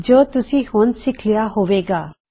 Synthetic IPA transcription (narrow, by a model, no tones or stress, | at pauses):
d͡ʒoːt̪ʊsĩhoːnsɪkʰlijaɦoʋeːɡaː